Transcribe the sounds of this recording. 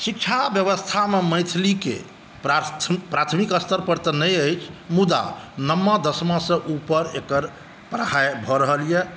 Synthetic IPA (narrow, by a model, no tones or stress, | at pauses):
sik̚t͡ʃʰabjəβəst̪ʰameməjt̪ʰlikḛ | pɾat̪ʰpɾat̪ʰmikəst̪ʰəɾpəɽt̪ənəjəjt͡ʃʰmud̪a̰nəmːəd̪əsmãsə̃ʔupəɾekəɾ | pɾəɦajbʱɔɾəɦəlje